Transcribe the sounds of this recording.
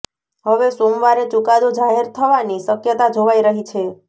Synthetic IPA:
ɦəʋesomʋaɾet͡ʃukad̪od͡ʒaɦeɾt̪ʰəʋanisəkjət̪ad͡ʒʱoʋaiɾəɦit͡ʃʰe

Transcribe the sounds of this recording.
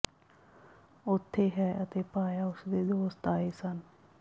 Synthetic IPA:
ʊt̪ʰːeːɦɛːət̪eːpaːjaːʊsd̪eːd̪oːst̪aːeːsən

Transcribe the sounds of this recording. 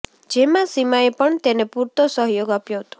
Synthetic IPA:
d͡ʒemãsimajepəɳt̪enepuɾt̪osɔɦjoɡapjɔwt̪u̥

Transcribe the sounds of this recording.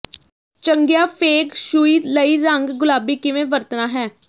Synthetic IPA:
t͡ʃəŋɡjaːpʰeːkʃuːiːləiːɾəŋɡɡʊlaːbiːkɪʋẽːʋəɾt̪naːɦɛː

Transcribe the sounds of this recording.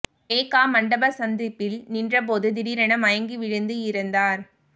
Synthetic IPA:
eːkːaːmɐɳɖɐbɐsɐnd̪ɪpːɪlnindrɐp̬oːðɯd̪ɪɾiɾɐɳɐmɐjɐŋɡiʋɪɻɯnd̪ɯjɪɾɯnd̪aːɾ

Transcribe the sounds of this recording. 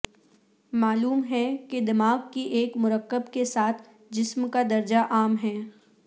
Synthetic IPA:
maːluːmɦɛked̪ɪmaːɡ̚kiʔeːkmʊɾəkːəbkesaːt̪ʰ | d͡ʒɪsmkad̪ɐɾd͡ʒaʔaːmɦɛː

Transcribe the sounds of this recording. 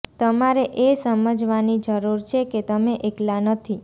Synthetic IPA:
t̪əmaɾeʔesəməd͡ʒʋanid͡ʒəɾuɾt͡ʃʰeket̪əmeʔeklanət̪ʰi

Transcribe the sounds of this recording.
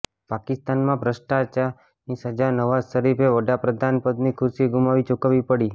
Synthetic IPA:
pakɪst̪anmãpɾəʃʈat͡ʃa | nisəd͡ʒanəʋasəɾipʰeʋəɽapɾəd̪ʱanpəd̪nikʰʊɾsiɡumaʋit͡ʃokaʋipəɽi

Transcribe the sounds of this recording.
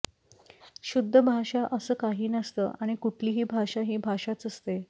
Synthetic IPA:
ɕud̪ʱːəbʱaɕaʔəsəːkaɦiːnəst̪ə̰ːʔaɽ̃ikuʈʰliːɦiːbʱaɕaɦiːbʱaɕat͡səst̪e

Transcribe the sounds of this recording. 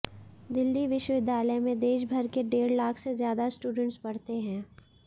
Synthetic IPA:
d̪ɪlːiʋɪʃwəʋɪd̪ʱːjaːləjmẽd̪eːʃbʱɐɾkeɖeːɾlaːkʰsezjaːd̪asʈuːɖə̃ɳʈsbɐɽt̪eɦɛ̃ː

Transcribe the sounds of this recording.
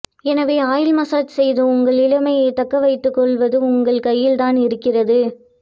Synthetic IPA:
ɛnɐʋeːaːjɪlmɐsaːt͡ʃsɛjðɯʊŋɡɐɭɪɭɐmɐjɐɪt̪ɐkːɐʋɐɪt̪ːɯkːɔɭʋɐðɯʊŋɡɐɭkɐjːɪlt̪aːnɪɾɯkːɪrɐðɯ

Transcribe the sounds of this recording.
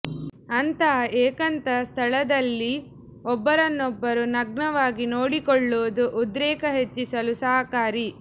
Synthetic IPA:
ɐnt̪ɐeːkɐnt̪ɐst̪ʰɐɭɐd̪ɐlːi | ɔbːɐɾɐnːɔbːɐɾunɐɡ̚ɳɐʋaːɡinoːɽikɔɭːoːd̪uʔud̪ɾɛːkɐɦet͡ʃːisɐlusɐːɐkaːɾi

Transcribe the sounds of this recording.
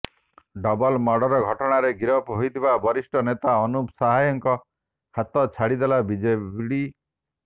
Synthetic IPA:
ɖɔbɔlmɔɖɔɾɔɡʱɔʈɔɽ̃aɾeɡiɾɔpɦojt̪ʰibabɔɾisʈɔnet̪aɔnupsaɦajɔŋkɔ | hat̪ɔt͡ʃʰaɽid̪elabid͡ʒebɽi

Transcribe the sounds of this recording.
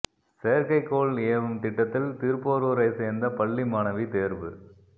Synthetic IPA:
seːɾkɐɪkːoːleːɐʋɯmt̪ɪʈːɐt̪ːɪlt̪iːɾpoːɾuːɾɐɪseːɾnd̪ɐpɐɭːimaːnɐʋit̪eːɾʋɯ̰

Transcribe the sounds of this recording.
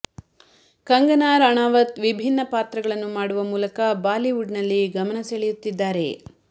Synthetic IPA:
kɐŋɡɐnaːɾɐɳaːʋɐt̪ʋibʱinːɐpaːt̪ɾɐɡɐɭɐnːumaːɽuʋɐmuːlɐkɐbaːliʋuɖnɐlːiɡɐmɐnɐseɭejut̪ːid̪ːaːɾe̞̰

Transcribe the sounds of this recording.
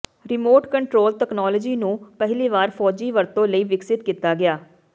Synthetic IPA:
ɾɪmoːʈkəɳʈɾoːlt̪ɛknɔːlɔd͡ʒiːnũːpəɦɪliːʋaːɾpʰɔːd͡ʒiːʋəɾt̪õːləiːʋɪksɪt̪kiːt̪aːɡɪaː

